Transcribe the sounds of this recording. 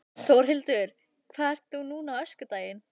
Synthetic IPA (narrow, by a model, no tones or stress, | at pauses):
θowɾ̥ɦɪlt̪ʏɾ̥ | kʰvaːɛɾ̥t̪θunuːnawœskʏt̪aːjɪn